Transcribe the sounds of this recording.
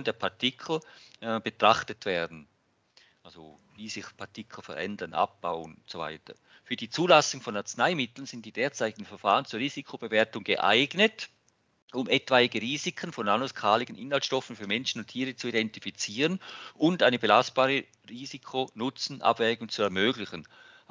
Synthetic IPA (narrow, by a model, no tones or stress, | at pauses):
ndeːɐpʰaɐtʰɪkʰl̩b̥ətʁ̥aχtətv̥eːɐdn̩ | ʔalzo | viːz̥ɪxpʰaɐtɪkʰl̩fɛ̰ʁʔɛ̰ndɐnʔa̰p̚b̥a̰ʊənʊntsova̰ɪtɐ̰ | fyːɐdiːt͡suːlasʊŋfɔnaɐt͡snaɪmɪtl̩nz̥ɪnt̚d̥iːdeːɐt͡saɪtɪ̥ɪnfɛɐfaːʁənt͡suːɐʁiːzikʰob̥əveːɐtʊŋɡəʔa̰ɪɡnət | ʔʊmʔɛtv̥aɪɡəʁiːzikʰənfɔnmanuskʰaːlɪɡ̥ənʔɪnhaltʃtɔfn̩fyːɐmɛnʃən̩ʊntʰiːʁət͡suidɛntifit͡siːʁənʔʊndaɪnəbəlast̚b̥aːʁə | ʁiːzikʰonʊt͡sn̩ʔa̰bvɛːɡʊŋt͡suɛɐmøːɡlɪçən